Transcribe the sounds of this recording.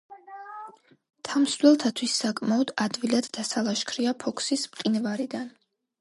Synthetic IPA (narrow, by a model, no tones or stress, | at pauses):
t̪ʰamslɛlˠt̪ʰat̪ʰwisːakʼmaɔd̪ad̪vilad̪̥ːasalˠaʃkʰɾiapʰɔkʰsismqʼinvaɾid̪an